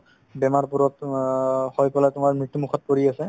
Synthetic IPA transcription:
bɛmaɹpuɹɔt | hɔjkɔlatʊmaɹmɹitːumukʰɔt̚poɹiasɛ

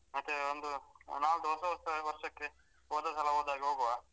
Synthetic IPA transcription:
ɐt̪ːeond̪unaːlud̪oːsɐʋɐst̪ɐʋɐɾʂɐkːe | oːd̪ɐsɐlɐoːd̪aːɡʲiɦoːɡʋa

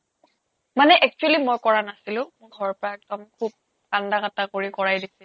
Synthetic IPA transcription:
manɛʔɛk̚t͡ʃualimɔjkɔɹanasilʊ̃mʊɡʱɔɹɔpɔɹaɛktɔmkʰub̚ | kandakatakoɹikɔɹajdisi

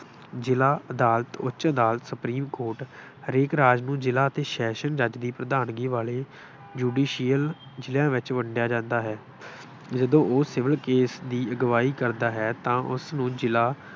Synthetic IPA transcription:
d͡ʒɪlaːəd̪aːlət̪ʊt͡ʃəd̪aːlət̪sʊpɾiːmkoːɾʈ | ɾɪːkɾaːd͡ʒnũːd͡ʒɪlaːət̪eːʃɛːʃənd͡ʒəd͡ʒd̪iːpɾəd̪aːnɡiːʋaːleː | d͡ʒuːɖiːʃijəl | d͡ʒɪljãːʋɪt͡ʃʋəɳɖɪjaːd͡ʒãːnd̪aːɦɛː | d͡ʒəd̪õːʔoːsɪʋəlkeːsd̪iːəɡʋaːiːkəɾd̪aːɦɛːt̪ãːʔʊ̰snũːd͡ʒɪlaː

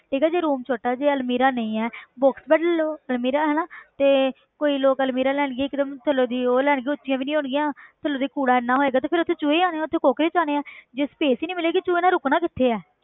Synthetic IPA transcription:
ʈʰiːkɛːd͡ʒeːɾuːmt͡ʃʰoːʈaːd͡ʒeːəlmiːɾaːnə̃ĩːɛːbɔːksbɛːɖəloːəlmiːɾaːɦɛːnaːt̪eː | koːiːloːkəlmiːɾaːlɛːɳ̃ɡeːɪkd̪əmt̪ʰəlːoːd̪iːoːlɛːɽ̃ɡiːʊtːʃɪjãːʋiːnĩːɦʊɳɡɪjãːt̪ʰəlːoːd̪iːkuːɽaːɪnːãːɦoːeːɡaːt̪eːpʰɪɾʊt̪ʰːeːt͡ʃʊːeːaːneːaːʊt̪ʰːeːkoːkɾeːt͡ʃaːneːaːd͡ʒeːspeːsiːnĩːmɪleːkit͡ʃuːeːnãːɾʊknaːkɪt̪ʰːeːɛː

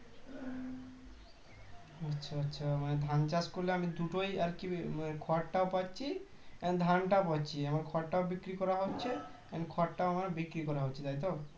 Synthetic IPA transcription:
ʌtːɕʰaɔtːʃʰamaned̪ʱant͡ʃaskoɾleamid̪uʈojaɾkikʰɔʈʈaopatːt͡ʃʰi | ɛnd̪ʱanʈap̬ɔtːt͡ɕʰiamaɾkʰɔʈʈaobikɾikɔɾaɦotːɕʰe | ɛnkʰɔʈʈaoamaɾbikɾikɔɾaɦotːt͡ʃʰit̪ajt̪o

